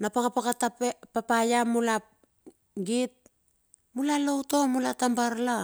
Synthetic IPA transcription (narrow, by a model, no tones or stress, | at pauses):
napakapakatapepapajamula | ɡit̚ | mulalowto̞mulatambaɾla